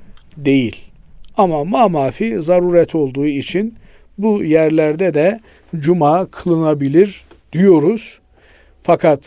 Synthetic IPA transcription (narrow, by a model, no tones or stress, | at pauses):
d̪e̞jilʲamamaːmaːfiːzaɾuːɾɛt̪ʰo̞lˠd̪uːit͡ʃʰin | bujæɾlʲæɾd̪ɛd̪ɛ | d͡ʒumaːkʰɯlˠɯnabilʲiɾ | d̪̥ijo̞ɾuz̥ | fakʰat̪